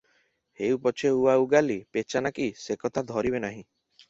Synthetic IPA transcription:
heupɔt͡ʃʰeuauɡalipet͡ʃanakisekɔt̪ʰad̪ʱɔɾibenaɦĩ

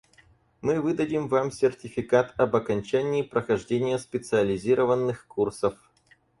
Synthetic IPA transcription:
mɨvɨd̪ədʲɪmvamsʲɪrtʲɪfʲɪkat̪ɐbɐkɐnʲt͡ɕænʲɪːpɾəxɐʐdʲenʲɪjəspʲɪt̪sɨəlʲɪzʲiɾəvənːɨxkursəf

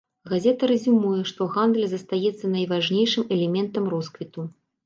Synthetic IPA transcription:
ɣazʲɛt̪ɐɾɐzʲimujɛʂt̪ɔɣand̪lʲzɐst̪ajɛt̪sːɐnɐjvaʐnʲejʂɨmɛlʲɛmʲɛnt̪ɐmɾɔskvʲit̪u

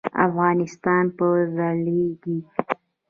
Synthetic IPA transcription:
a̰fɣɑnɪst̪ɑnpəzaleɡi

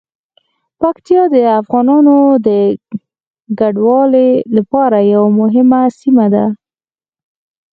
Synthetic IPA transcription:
pakt̪ijɑd̪əafɣɑnɑnod̪ə | ɡaɖwɑlelapɑɾajawamʊɦɪmasimad̪a

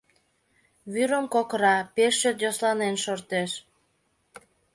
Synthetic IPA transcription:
βyɾəmkokəɾɑpeʃːøt̪joslɑnenʃort̪eʃ

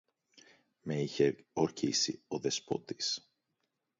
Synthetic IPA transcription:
me̞içeo̞ɾçisḭo̞ðe̞spo̞̰t̪i̥s

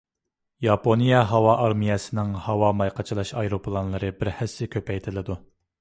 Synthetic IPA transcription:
jɑponijɛɦɑwɑʔɑɾmijɛsɪnɪŋhɑwɑmɑjqʰɑt͡ʃʰilˠɑʃɑjɾopʰlˠɑnlˠɨɾɨbɪɾhɛsːɪkʲʰøpʰɛjt̪ʰɪlɪd̪u

